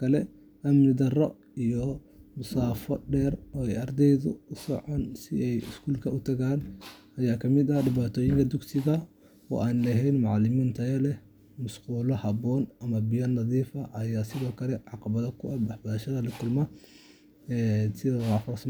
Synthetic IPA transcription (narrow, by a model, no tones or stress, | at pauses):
kʰɐlɛ | ʔɐmnɪd̪ɐrɔ | ijɔ | mʊsaːfɔɖɛːrɔːɛjɐrd̪ɛjðʊsɔ̰ʕɔnsɪɛjɪ̰skʰuːlkʰɐʊt̪ʰɐɣaːnʔɐjaːkʰɐmɪd̪ɐɖɪβaːt̪ʰɔːjɪŋkʰɐd̪ʊɡsɪɣɐ | ɔ̰ːʔaːnlɛɦɛjnmʊʕlɪmiːnt̪ʰɐɛlɛ | mʊsquːlɔhɐbɔːnʔɐmɐbɪjɐnɐðiːfɐʔɐjaːsɪðɔːkʰɐlɛʕɑqɑβɐðɔkʰʊʔɐbɐħbɐðɐʃɐðɐlɪkʰʊlmɐ | ɛːsɪðːaːfɐrs